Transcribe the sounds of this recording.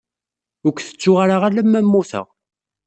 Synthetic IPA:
ʊkʷːθə̥t͡sːʊʁaɾaʁalæmːæmːuθə̰ʁ

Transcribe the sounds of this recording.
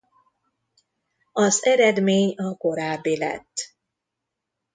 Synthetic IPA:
ɒzɛɾɛd̪meːɲɒko̞ɾaːbːilɛ̰t̪ː

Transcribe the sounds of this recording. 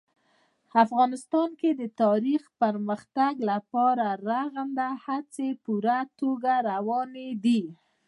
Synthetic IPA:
afɣɑnɪst̪ɑnked̪ət̪ɑɾixpəɾməxt̪aɡlapɑɾaɾaɣand̪ahat͡sepuɾat̪oɡaɾawɑned̪i

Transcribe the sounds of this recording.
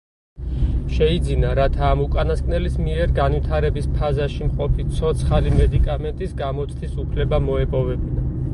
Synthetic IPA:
ʃɛid̪zinaɾat̪ʰaːmukʼanaskʼnɛlismiɛɾɡanvit̪ʰaɾɛbispʰazaʃimqʼɔpʰit̪sʰɔt̪sʰχalimɛd̪ikʼamɛnt̪ʼisɡamɔt̪sʼt̪isupʰlɛbamɔɛpʼɔvɛbina

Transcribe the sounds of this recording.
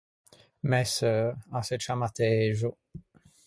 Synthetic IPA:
mɛsøaset͡ʃamat̪eʒu

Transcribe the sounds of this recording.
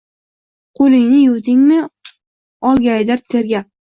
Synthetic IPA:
qʰolɪŋnɪjʊwd̪ɪŋmɪ | ɒlˠɡʲajd̪aɾt̪ʰeɾɡʲa

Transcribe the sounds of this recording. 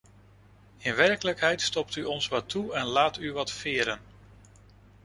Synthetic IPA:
ɪnʋɛɹkələkɦɛjtstɔp̚tyɔnsʋɑtʰuɛnlaːtyʋɑtfɪːɾən

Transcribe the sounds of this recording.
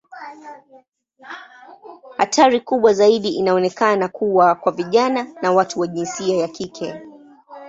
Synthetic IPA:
ha̰tʰaɾikuɓwazaiɗiʔinaɔnɛkanakuwakwaviʄananawatuwaʄinsiajakikʰɛ

